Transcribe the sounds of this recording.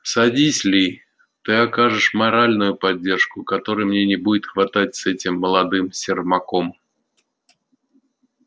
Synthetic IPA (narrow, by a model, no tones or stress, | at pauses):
sad͡zʲisʲlʲi | t̪ɨakaʐɨʂmaɾalʲnʊjʊpadd͡zʲːɛrʂkʊkat̪ɔɾɨjmnʲenʲɛbud͡zʲɪt̪xvat̪at͡sʲsɛt͡sʲimːəlˠad̪ɨmsʲɪrmakɔm